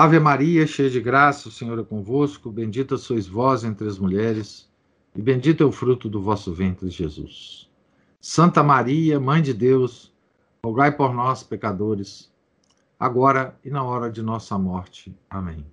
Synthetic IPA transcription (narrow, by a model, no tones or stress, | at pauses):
avɐmaɾiɐʃejɐd͡ʒɪɡɾasɐʊsẽɲoɾɛkõvoskʊbẽd͡ʒit̪ɐsoizvɔzẽnt̪ɾɪɐzmuʎɛɾɪs | ɪbẽd͡ʒit̪ɛʊfɾut̪ʊd̪ʊvɔsʊvẽnt̪ɾɪʒezṵsː | ɐ̃nt̪ɐmaɾiɐmɐ̃j̃d͡ʒɪd̪ews | hoɡajpoɾnɔspekad̪oɾɪs | a̰ɡɔɾɐɪnɐɔɾɐd͡ʒɪnɔsɐmɔɾt͡ʃɪamẽj̃